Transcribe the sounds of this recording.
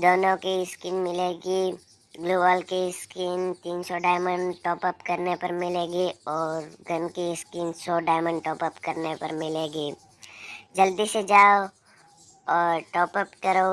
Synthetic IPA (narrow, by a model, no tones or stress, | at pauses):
d̪oːnõkiskɪnmɪleːɡi | ɡloːbəlkiskɪnt̪iːnsɔɖaːjməɳɖʈɔːpəpkɐɾnepɐɾmɪleːɡiɔːɾɡʱənkiskɪnsɔːɖaːjmə̃ɳɖʈɔːpəpkɐɾnepɐɾmɪleːɡiː | d͡ʒɐld̪ised͡ʒaːo | ɔːɾʈɔːpəpkɐɾo